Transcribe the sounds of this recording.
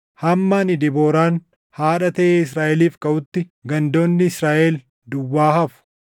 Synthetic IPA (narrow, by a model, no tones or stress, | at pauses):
hɐmːanɪd̪ɪboːɾaːn | haːᶑɐt̪ɐʔeːɪsɾaːʔɛliːfkʼɐʔʊt̪ːɪɡɐnd̪o̞ːnːɪɪsɾaːʔɛl | d̪ʊwːaːhɐfʊ̥